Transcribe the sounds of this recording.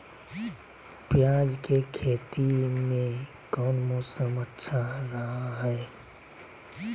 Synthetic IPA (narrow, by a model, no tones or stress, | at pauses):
pjad͡ʒkekʰeːt̪imẽ | kɔːnmosəmətːʃʰaɾəɦaɦɛ